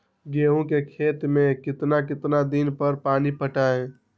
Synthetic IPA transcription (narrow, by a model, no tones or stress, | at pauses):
ɡeːɦũkekʰeːt̪mẽkɪt̪nakɪt̪nad̪inpəɾpaːnipəʈaẽ